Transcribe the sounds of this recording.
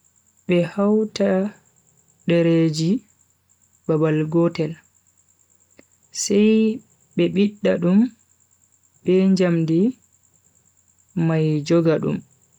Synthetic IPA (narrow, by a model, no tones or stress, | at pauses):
ɓɛhawta | ɗɛɾed͡ʒi | babalɡɔtɛl | sɛj | ɓɛɓiɗːaɗum | bɛɲd͡ʒamdi | majd͡ʒɔɡaɗṵm